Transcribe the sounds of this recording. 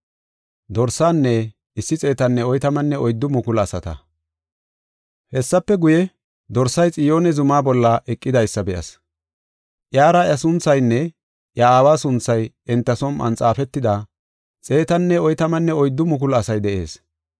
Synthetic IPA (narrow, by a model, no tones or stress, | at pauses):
d̪ɔɾsaːnːɛ | ɪsːɪt͡sʼe̞ːt̪ɐnːɛɔjt̪ɐmɐnːɛɔjd̪ːʊmʊkʊlɐsɐt̪ɐ̰ | hɛsːɐpːɛɡʊjɛ | d̪ɔɾsːɐjt͡sʼɪjo̞ːnɛzʊmaːbɔlːɐʔɛkʼːɪd̪ɐjsːɐbɛʔɐ̰s | ʔjaːɾɐjɐsʊnt͡sːɐjnːɛ | ʔjɐaːwaːsʊnt͡sːɐj | ɛnt̪ːɐsɔmɐ̰nt͡sʼaːfɛt̪ːɪd̪a | t͡sʼe̞ːt̪ɐnːɛɔjt̪ɐmɐnːɛɔjd̪ːʊmʊk̬ʊlɐsɐjd̪ɛʔe̞ːs